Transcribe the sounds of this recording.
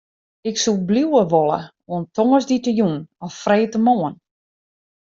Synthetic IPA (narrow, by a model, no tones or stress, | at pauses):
ɪksubliwəʋolˠə̰ | oəntʰɔŋəsditəjunɔffreːtəmoːən